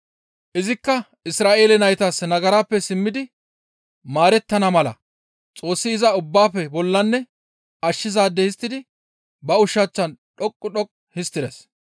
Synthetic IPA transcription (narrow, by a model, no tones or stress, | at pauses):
ʔɪzɪkːɐ | ɪsɾaːʔe̞ːlɛnɐjt̪ɐsnɐɡɐɾaːpːɛsɪmːɪd̪ɪ | maːɾɛt̪ːɐnɐmɐlɐ̰ | t͡sʼo̞ːsːɪɪzɐʊbːaːpːɛbɔlːɐnːɛ | ɐʃːɪzaːd̪ːɛhɪst̪ːɪd̪ɪ | bɐʊʃat͡ʃːɐnɗɔkʼːʊɗɔkʼ | hɪst̪ːɪd̪ɛs